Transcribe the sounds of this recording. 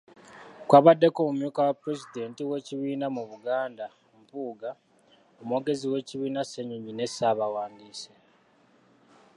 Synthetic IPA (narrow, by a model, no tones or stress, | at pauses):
kwaβadːe̞ko̞mumjuːkawapɾe̞zide̞ːntiwe̞ːciβiːnamuβuɡaːnda | mpuːɡa | omwo̞ɡe̞ziwe̞ːciβiːnase̞ɲuɲine̞saβawaːndiːse